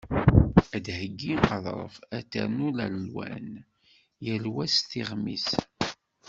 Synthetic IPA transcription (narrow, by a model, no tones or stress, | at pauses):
æd̪həɡːiəðˤɾˤə̰fæt̪ːæ̰ɾnulællwæ̰n | jəlwæsθiʁmḭs